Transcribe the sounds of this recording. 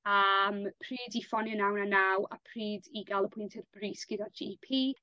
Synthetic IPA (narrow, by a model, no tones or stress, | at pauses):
ampʰriːdifɔnjənawnanawa̰pʰriːdiɡalˠəpʰʊjntʰɛrb̥riːsɡ̥ɪdad͡ʒḭpʰiː